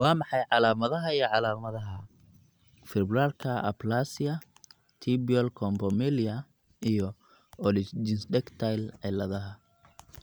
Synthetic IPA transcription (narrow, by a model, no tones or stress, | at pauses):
wɑːmɑħɑjʕɑlaːmɐðɐɦɐijɔʕɑlaːmɐðɐɦɐ | fɪrbʊɾaːrkʰɐʔɐ̰plaːsɪjɐ | t̪ʰibiɔlkʰɔmbɔmɪliɐ | ijɔ | ɔlɪd͡ʒɪnsdɛkt̪ʰajlʕɛlɐðɐɦɐ